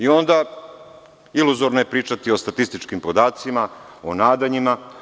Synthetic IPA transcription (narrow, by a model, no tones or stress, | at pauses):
io̞nd̪a | iluzoɾnoje̞pɾiːt͡ʂat̪io̞st̪at̪ist̪it͡ʂkimpo̞d̪aːt̪simaonaːd̪aɲima